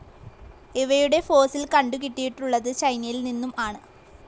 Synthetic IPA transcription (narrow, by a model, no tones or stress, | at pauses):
iʋɐjuɽe̞fo̞ːsilkɐɳɖukiʈːijiʈːuɭːɐðɨt͡ɕɐjnɐjilninːumʔaːɳɨ